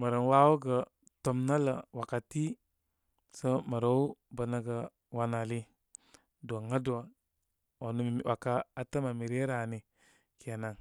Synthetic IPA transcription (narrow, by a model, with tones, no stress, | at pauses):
mə˨ɾə˨nwa˦wo˦ɡə˨ | to˨mna˦lə̰˨wa˨ka˨ti˦ | sə˦mə˨ɾo˦u˦bə˨na˦ɡə˨ | wa˨na˨li˦ | do˨ŋa˦do˨ | o˨nu˦m˨wʔa˨ka˦a˨tə˦ma˨mi˨ɾe˦ɾa˨ni˨ | ke˨na˨ŋ